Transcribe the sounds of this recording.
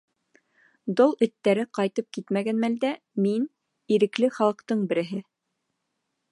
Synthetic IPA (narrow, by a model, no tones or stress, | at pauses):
d̪olˠɵ̆t̪ːæɾɘqɑjt̪ɤp̚kit̪mæɡænmæld̪æ | min | iɾɘ̆klɘχɑlˠɤ̆qt̪ɤɴbɘ̆ɾɘ̆ɦɘ